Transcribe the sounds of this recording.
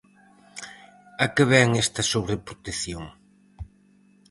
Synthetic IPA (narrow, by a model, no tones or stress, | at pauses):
ɐkɪβɛŋɛst̪ɐsuβɾepɾot̪eθjoŋ